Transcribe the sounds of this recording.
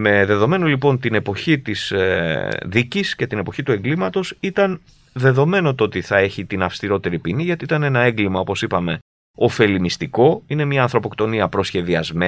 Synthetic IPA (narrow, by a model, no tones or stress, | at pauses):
me̞ðe̞ðo̞me̞nolipo̞nt̪ine̞po̞çit̪is | ðicisce̞t̪ine̞po̞çit̪ue̞ŋɡlimɐt̪o̞sit̪ɐn | ðe̞ðo̞me̞no̞t̪oot̪iθɐe̞çit̪inɐfst̪iɾo̞t̪e̞ɾipiniʝɐt̪iit̪ɐnenɐe̞ŋɡlimɐo̞po̞sipɐme̞ | o̞fe̞limist̪iko̞ine̞mɲɐːnθɾo̞po̞kt̪o̞niɐpɾo̞sçe̞ðiɐzme